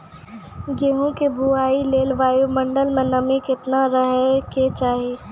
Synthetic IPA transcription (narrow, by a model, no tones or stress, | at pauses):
ɡeɦõkebʱuaːileːlʋaːjomɐ̃ɳɖəlmẽnɐmĩkɪt̪naɾəɦket͡ʃaːɦeː